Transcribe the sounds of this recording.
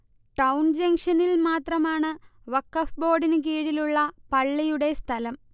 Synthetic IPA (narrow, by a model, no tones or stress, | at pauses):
ʈɐwnd͡ʑɐŋʂɐnilmaːt̪rɐmaːɳɨʋɐkːɐfbo̞ːɖinɨk̬iːɽiluɭːɐpɐɭːɐjuɽe̞st̪ʰɐlɐm